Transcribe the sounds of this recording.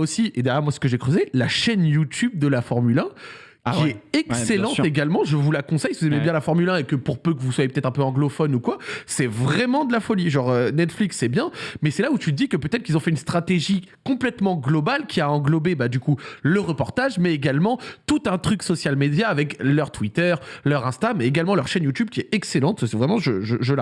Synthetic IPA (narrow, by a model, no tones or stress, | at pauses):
osiʔed̪ajɛʁmwasə̥kəʒɛkχəzelaʃɛnjut̪yb̚d̪əlafɔʁmylɛ̃ | kʲiɛɛkselɑ̃t̪eɡalmɑ̃ʒəvulakɔ̃sɛjsivuzɛmebjɛ̃lafɔʁmylɛ̃ekəpuʁpøkəvuswajepət̪ɛt̪χɛ̃pøɑ̃ɡlɔfɔnukwasɛvʁɛmɑ̃d̪əlafɔliʒɑ̃ʁønɛt̪fliksːɛbjɛ̃mɛsɛlaut̪yd̪ikəpøt̪ɛt̪χəkilzɔ̃fɛynst̪χat̪eʒi | kɔ̃plɛt̪mɑ̃ɡlɔbalkʲiaɑ̃ɡlɔbebad̪ykuləʁəpɔʁt̪aʒmɛeɡalmɑ̃t̪ut̪ɛ̃t̪χyksɔsjalmed̪jaːvɛklœʁt̪wit̪œʁlœʁɛ̃st̪amɛeɡalmɑ̃lœʁʃɛnjut̪yb̚kʲiɛɛkselɑ̃t̪svʁɛmɑ̃ʒəʒəʒəla